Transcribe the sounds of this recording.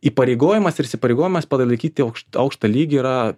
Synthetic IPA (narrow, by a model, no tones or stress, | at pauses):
iːpɐɾʲeɪɡoːjɪmɐsɪɾɪsʲɪpɐɾʲɛɪɡoːjɪmɐspɐlˠɐlˠɐɪkʲiːt̪ʲɪɐʊkʃɐʊkʃt̪ɐlʲiːɡʲɪiɾɐ